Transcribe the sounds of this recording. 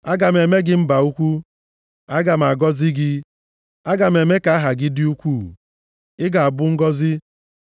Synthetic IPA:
a˦ɡa˨m̩˨e˨me˦ɡɪ˦m̩˦ba˨u˦kʷu˦ | a˦ɡa˨m̩˨a˨ɡɔ˦zɪ˦ɡɪ˦ | a˦ɡa˨m̩˨e˨me˦ka˨˦ɦa˨ɡɪ˦dɪ˦u˦kʷu˦˨ | ɪ˦ɡa˨a˨bʊ˦ŋ̩˦ɡɔ˦zɪ˦

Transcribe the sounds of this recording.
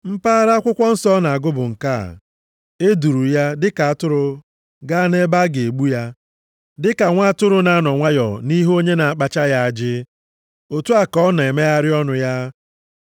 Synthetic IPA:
m̩˦pa˦ɾa˦a˦kʷʊ˦kʷɔ˦n̩˦sɔ˦na˨a˨ɡʊ˦bʊ˨ŋ̩˨ka̰˦˨ | e˦du˨ɾu˨ja˦dɪ˦ka˨a˦tʊ˦ɾʊ˦ | ɡa˦ne˦ba˦ɡe˨ɡ͡bu˦ja˦ | dɪ˦ka˨ŋʷa˦a˦tʊ˦ɾʊ˦na˨a˦nɔ˨ŋʷa˦jɔ˨ni˦ɦo˦ɲe˦na˨a˨k͡pa˦t͡ʃa˦ja˦a˨d͡ʒɪ˦ | o˨tu˦a˨kɔ˦na˨e˨me˦a˦ɾɪ˦ɔ˦nʊ˨ja˦

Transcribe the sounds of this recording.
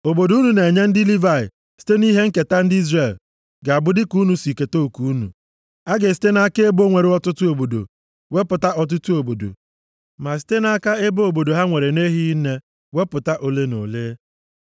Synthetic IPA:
o˨bo˨du˨˦nu˨ne˨ɲe˦n̩˦dɪ˦li˦va˦˨ɪ̰˨ | si̥˦te˦ni˦ɦe˦ŋ̩˦ke˨ta˦n̩˦dɪ˦i˦zre˦˨l | ɡa˨a˨bʊ˦dɪ˦ku˦nu˨si˨ke˨to˦˨ku˨˦u˦nṵ˨ | a˦ɡe˨s̬i̥˦te˦na˦ke˦bo˦ŋʷe˨ɾɪ˦ɔ˦tʊ˦tʊ˦o˨bo˨do̰˨ | we˦pʊ˨ta˦ʔɔ˨t̬ʊ˦tu˦o˨bo˨do̰˨ | ma˨s̬i̥˦te˦na˦ka˦e˦bo˨bo˨do˨ɦa˦ŋʷe˨ɾe˨ne˦ɦi˦ne˦ | we˦pʊ˨ta˦ʔo˨le˦no̰˨leː˦

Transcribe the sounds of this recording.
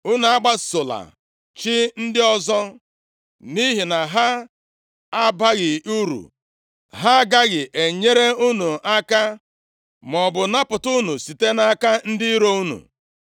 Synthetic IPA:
u˦nu˨a˦ɡ͡ba˦so˨la̰˨ | t͡ʃɪ˦n̩˦dɪ˦ɔ˦zɔ˦ | ni˦ɦi˨na˨ɦa˦ | a˦ba˦ɣɪ˨u˦ɾṵ˨ | ɦa˦ɡa˦ɣɪ˨ʔe˨ɲe˦ɾe˦u˦nu˨a˦ka˦ | m˨ɔ˨bʊ˨na˦pʊ˨tu˦nu˨si˨te˦na˦ka˦n̩˦dɪ˦ɾo˦u˦nṵ˨

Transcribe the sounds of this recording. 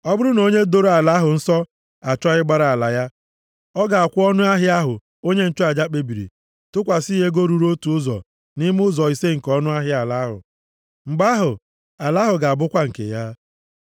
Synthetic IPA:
ɔ˦bʊ˦ɾʊ˦no˦ɲe˦do˦ɾo˨˦a˨la˨˦ɦʊ˨n̩˦sɔ˦ | a˨t͡ʃɔ˦ɪ˦ɡ͡ba˦ɾa˨a˨la˨ja˦ | ɔ˦ɡa˨a˨kʷʊ˦ɔ˦nʊ˦a˦ɦɪ˦a˦ɦʊ˨ | o˦ɲe˦n̩˨t͡ʃɔ˦a˨d͡ʒa˦k͡pe˨bi˨ɾḭ˨ | tʊ˦kʷa˨si˦ɦe˦ɡo˦ɾu˨ɾo˦tu˨ʊ˦zɔ̰˨ | ni˦m˦ʊ˦zɔ˨i˨se˦ŋ̩˨kɔ˦nʊ˦a˦ɦɪ˦a˨la˦ɦʊ̰˨ | ŋ͡m̩˨ɡ͡ba˦ɦʊ˨ | a˨la˨˦ɦʊ˨ɡa˨a˨bʊ˦kʷa˦ŋ̩˨kḛ˨ja˦

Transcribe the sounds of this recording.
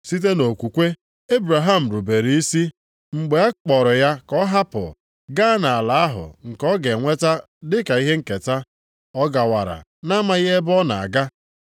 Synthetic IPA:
si˦t̬e˦no˨kʷu˨kʷe˦ | e˦bɾa˨ɦa˦m̩˨ɾu˨be˨ɾi˦i˦si˦ | ŋ͡m̩˨ɡ͡be˨a˦k͡pɔ˨ɾʊ˨ja˦kɔ˦ɦa˦pʊ̰˨ | ɡa˦na˨a˨la˨a˦ɦʊ̰˨ŋ̩˨kɔ˦ɡe˨ŋʷe˦ta˦ | dɪ˦ka˨i˦ɦe˦ŋ̩˨ke˨ta˦ | ɔ˦ɡa˨wa˨ɾa̰˨ | na˦ma˦ɣe˦e˦bɔ˦na̰˨a̰˨ɡa˦

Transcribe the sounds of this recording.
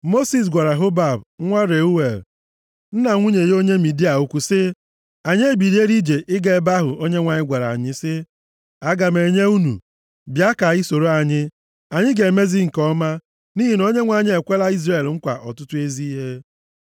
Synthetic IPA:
mo˦si˨s̬ɡʷa˨ɾa˨ɦʊ˦ba˦˨bŋʷa˦ɾe˨u˦we˨l | n̩˦na˨ŋʷu˦ɲe˨jo˦ɲe˦mi˨di˦a˨u˦kʷu˦sɪ˦ | a˨ɲ˦e˦bi˨ɾe˦ɾi˦d͡ʒe˨ʔɪ˦ɡe˨˦ba˦ɦʊ˨ʔo˦ɲe˦ŋʷa˨ɲɪ˦ɡʷa˨ɾa̰˨ɲɪ˦sɪ˦ | a˦ɡa˨me˨ɲe˦u˦nṵ˨ | bja˦ka˨i˦so˨ɾo˦a˨ɲɪ˦ | a˨ɲɪ˦ɡe˨me˦zi˦ŋ̩˨kɔ˦ma˦ | ni˦ɦi˨no˦ɲe˦ŋʷa˨ɲɪ˦e˨kʷe˦la˦i˦zre˨lŋ̩˦kʷa̰˨ʔɔ̰˨tʊ˦tʊ˦e˦zi˦i˦ɦe˦

